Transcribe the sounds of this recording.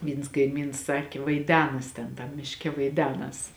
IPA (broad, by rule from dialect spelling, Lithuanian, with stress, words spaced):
ˈʋʲiːns kɐɪˈmʲiːns ˈsɑːkʲeː ʋɐɪˈdʲæːnɐs ˈtʲɛn tɐm mʲɪʃʲˈkʲɛ ʋɐɪˈdʲæːnɐs